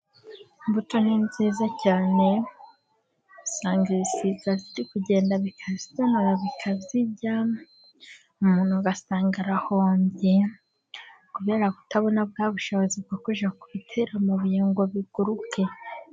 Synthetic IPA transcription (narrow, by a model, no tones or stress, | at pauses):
mbutoninziːzacaːne̞ | usaːŋɡiisizaziɾikuɟe̞ːndaβikʰazitanuɾaβikʰaziɟa | umuːn̥huɡasaːŋɡaɾahoːmbe | kuβe̞ːɾaku̥taβo̞nab̚ɡaːβuʃoβozib̚ɡakuʒakuβitʰeɾamuβujeːŋɡo̞βiɡ̥uɾukʰe̞